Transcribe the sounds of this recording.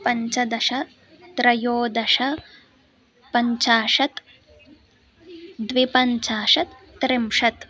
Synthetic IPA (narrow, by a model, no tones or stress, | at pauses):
pɐɲt͡ʃɐd̪ɐʂɐ | t̪ɾɐjoːd̪ɐʂɐ | pɐɲt͡ʃaːʂɐt̪ | d̪ʋipɐɲt͡ʃaːʂɐt̪ːɾɪmʂɐt̪